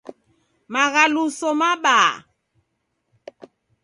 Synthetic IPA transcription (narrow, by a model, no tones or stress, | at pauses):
maɣalusɔmaɓaː